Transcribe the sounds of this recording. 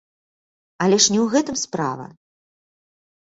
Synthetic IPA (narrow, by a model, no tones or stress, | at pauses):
ɐlʲɛʂnʲɛwɣɛt̪ɨmspɾa̰vɐ̰